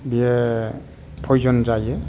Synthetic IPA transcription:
bie | pʰɔjzɔnzaje

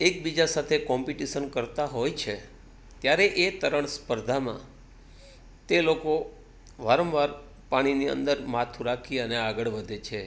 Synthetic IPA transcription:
ek̚bid͡ʒasat̪ʰekɔmpiʈiʃənkəɾt̪aɦojt͡ʃʰe | t̪jaɾeʔet̪əɾəɳ̃spəɾd̪ʱamã̰ | t̪eloko | ʋaɾəmʋaɾ | paɽ̃iniə̰nd̪əɾmat̪ʰũɾakʰiəneaɡəɭʋəd̪ʱet͡ʃʰe

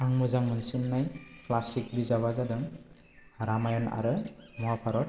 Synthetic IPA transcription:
aŋmɯzaŋmɯnsɯnːajklasik̚bizaβazadɔŋ | ɾamajɔna̰ɾɯmɔapʰaɾɔɾ̚

